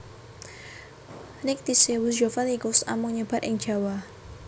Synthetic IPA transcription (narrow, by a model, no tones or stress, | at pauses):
nɪk̚t̪isewus̬d͡ʒofanikʊsa̰mʊŋɲəbat̪ɪ̰ŋ̥d͡ʒ̥a̤wa